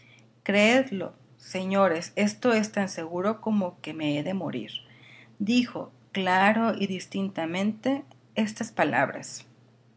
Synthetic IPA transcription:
kɾeeðlo̞̰ | se̞ɲo̞ɾe̞se̞st̪o̞e̞st̪anse̞ɣuɾo̞ko̞mo̞ke̞meeðe̞mo̞̰ɾḭɾ | d̪ixo̞̰ | klaɾo̞iðist̪int̪amẽ̞nt̪e̞ | est̪aspala̰βɾa̰s

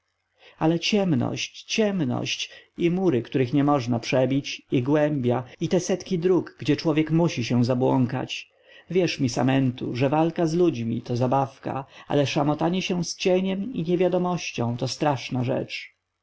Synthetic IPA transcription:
alɛt͡ɕɛmnɔ̰ɕt͡ɕt͡ɕɛmnɔ̰ɕt͡ɕimuɾɘkt̪uɾɘxɲɛmɔʐnapʂɛbʲit͡ɕiɡwɛmbʲjait̪ɛsɛt̪kʲid̪ɾukɡd͡ʑɛt͡ʂwɔvʲjɛkmuɕiɕɛ̃w̃zabwɔŋka̰t͡ɕ | vʲjɛʂmʲisa̰mɛnt̪ṵʐɛvalkazlud͡ʑmʲḭt̪ɔzabafka̰a̰lɛʂamɔt̪aɲɛɕɛw̃st͡ɕɛɲɛmḭɲɛvʲjad̪ɔmɔɕt͡ɕɔ̃w̃t̪ɔst̪ɾaʂnaʐɛ̰t͡ʂ

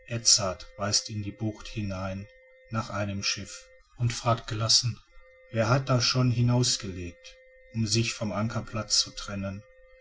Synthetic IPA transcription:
ʔɛt͡satv̥aɪstɪndiːbʊχthɪnaɪnː | aːχʔaɪnəmʃɪf | ʊntfʁ̥aːk̚t̚ɡ̥əlasn̩ | veːɐɦat̚d̥aːʃoːnɦɪnaʊsɡ̥əleːk̚t | ʔʊmzɪçfɔmʔaŋkʰɐpʰl̥at͡st͡sutʁ̥ɛnən

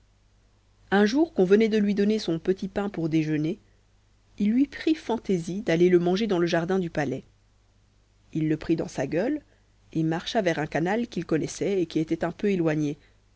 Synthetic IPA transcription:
ɛ̃ʒuʁkɔ̃vənɛd̪əlɥid̪ɔnesɔ̃pət̪ipɛ̃puʁd̪eʒəne | ilːɥipχifɑ̃t̪ezid̪aleləmɑ̃ʒed̪ɑ̃ləʒaʁd̪ɛ̃d̪ypalɛ | ilːəpχid̪ɑ̰̃saɡʲœl | emaʁʃavɛʁɛ̃kanalkʲilkɔnɛsɛekʲiet̪ɛt̪ɛ̃pøelwaɲe

